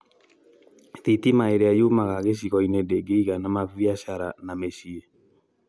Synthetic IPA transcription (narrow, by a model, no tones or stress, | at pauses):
titimaeɾeajumaɣaɣeʃ̬iɣɔinedeɡeiɣanamaviaʃaɾa̰nameʃie